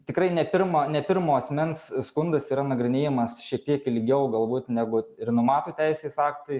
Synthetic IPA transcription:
t̪ʲɪkɾɐɪnʲɛpʲɪɾmoːnʲɛpʲɪɾmoːɐsʲmʲɛnsskʊnd̪ɐsiːɾɐnɐɡɾʲɪnʲeːjɛmɐsʃʲiɛk̚t̪ʲiɛkɪlʲɡʲɛʊɡɐlˠbuːt̪nʲæɡʊɪrnʊmɑːt̪oːt̪ʲɛɪsʲeːsɑːkt̪ɐɪ

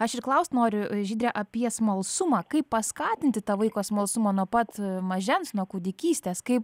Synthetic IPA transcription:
ɐʃɪrklˠɐʊsʲt̪ʲnoːɾʲʊʒʲiːd̪ʲɾʲɛʔɐpʲiɛsmɐlˠsʊmɑːkɐɪppɐskɑːt̪ʲɪnʲt̪ʲɪt̪ɑːʋɐɪkoːsmɐlˠsʊmoːnuɔpɐt̪mɐʒʲɛnsnuɔkʊd̪ʲɪkʲiːsʲt̪ʲeːskɐɪp

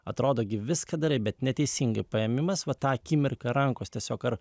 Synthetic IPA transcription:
ɐ̰t̪ɾoːd̪oːɡʲɪʋʲɪskɐd̪ɐɾɐɪbʲɛt̪nʲɛt̪ʲɛɪsʲɪŋɡɐɪpɐɛmʲɪmɐsʋɐt̪ɑːkʲiːmʲɪɾkɐɾɐŋkoːst̪ʲiɛsʲoːkɐɾ

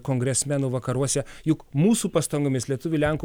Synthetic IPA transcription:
koːŋɡɾʲɛsʲmʲænuʋɐkɐɾuɔsʲɛjʊkmuːsuːpɐst̪ɐŋɡomʲɪslʲiɛt̪ʊʋʲulʲæŋku

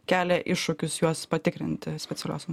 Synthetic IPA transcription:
kʲæːlʲɛʔɪʃːʊkʲʊsjuɔspɐt̪ʲɪkɾʲɪ̰nʲt̪ʲɪsʲpʲɛt̪ʲɛlʲoːsm

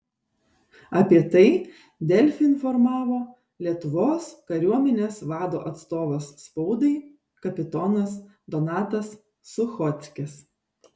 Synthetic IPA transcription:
ɐpʲiɛt̪ɐɪ | d̪ʲɛlʲfʲɪnfɔɾmɑːʋoː | lʲiɛt̪ʊʋoːskɐɾʲuɔmʲɛnʲeːsʋɑːd̪oːʔɐt̪st̪oːʋosːpɔʊd̪ɐɪ | kɐpʲɪt̪ɔnɐs | d̪ɔnɑːt̪ɐsː | ʊxɔt̪sʲkʲɪs

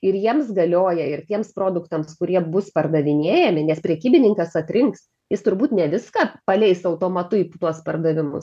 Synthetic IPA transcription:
ɪɾjiɛmsɡɐlʲoːjɛɪrt̪ʲiɛmspɾoːd̪ʊkt̪ɐmskʊɾʲiɛbʊspɐrd̪ɐʋʲɪnʲeːjɛmʲɪnʲɛspʲɾʲɛkʲiːbʲɪnʲɪŋkɐsɐt̪ʲɾʲɪŋks | jɪst̪ʊɾbuːt̪nʲɛʋʲɪskɑpɐlʲɛɪst̪ɐʊt̪oːmɐt̪ʊipt̪uɔspɐrd̪ɐʋʲɪmʊ̰s

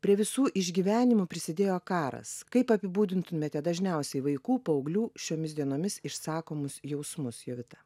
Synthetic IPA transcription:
pʲɾʲiɛʋʲɪsuːʔɪʒʲɡʲiːʋʲæːnʲɪmʊpʲɾʲɪsʲɪd̪ʲeːjoːkɑːɾɐ̰skɐɪpɐpʲɪbuːd̪ʲɪnt̪ʊmʲɛt̪ʲɛd̪ɐʒʲnʲɛʊsʲɛɪʋɐɪkuːpɐɐʊɡlʲuːʃʲoːmʲɪsd̪ʲiɛnoːmʲɪsɪʃsɑːkoːmʊsjɛʊsmʊsjɛʋʲɪt̪ɐ

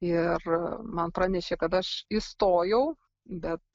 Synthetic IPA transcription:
ɪrmɐnpɾɑːnʲɛʃʲeːkɐt̪ɐʃist̪oːjɛʊ | bʲɛt̪̚

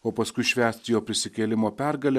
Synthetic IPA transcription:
oːpɐskʊɪʃʲʋʲæːsʲt̪ʲjoːpʲɾʲɪsʲɪkʲeːlʲɪmoːpʲɛɾɡɐlʲɛ

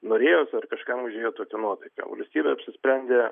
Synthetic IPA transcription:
noːɾʲeːjoːsɐrkɐʃkɑmʊʒʲeːjoːt̪oːkʲɛnuɔt̪ɐɪkɐ̰ʋɐ̰lʲsʲt̪ʲiːbʲeɐpʲsʲɪsʲpʲɾʲɛnʲd̪ʲeː

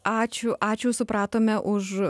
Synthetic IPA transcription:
ʔɑːt͡ʃʲʊʔɑːt͡ʃʲuːsʊpɾɑːt̪oːmʲɛʔʊʃ

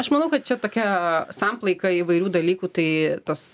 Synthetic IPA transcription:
ɐʃmɐnɐʊkɐt̪̚t͡ʃʲɛt̪oːkʲɛsɐmplˠɐɪkɐiːʋɐɪɾʲuːd̪ɐlʲiːkuːt̪ɐɪt̪ɐs

